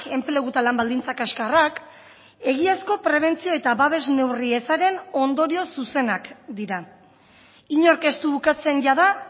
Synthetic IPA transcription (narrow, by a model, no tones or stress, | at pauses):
ke̞mple̞ɣut̪alambald̪int͡sakaskarak | e̞ɣ̞iasko̞pɾe̞β̞e̞nt͡sio̞e̞t̪aβaβe̞zne̞wrie̞saɾe̞no̞nd̪o̞ɾio̞suse̞nakd̪iɾa | iɲo̞ɾke̞st̪uβukat͡se̞nɟaða